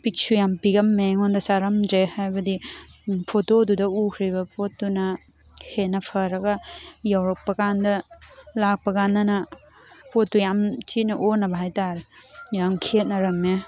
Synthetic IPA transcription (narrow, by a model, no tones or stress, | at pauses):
pik̚sujampiɡɐmːeŋondɐsaɾɐmzehajbɐdipʰotodudɐukʰɾibɐpotːunɐ | henɐpʰɐɾɐɡɐjawɾɐk̚pɐkandɐlak̚pɐkanːɐnɐ | potːujamt͡ʃitnɐʔonɐbɐɦajtaɾejamkʰet̚nɐɾɐme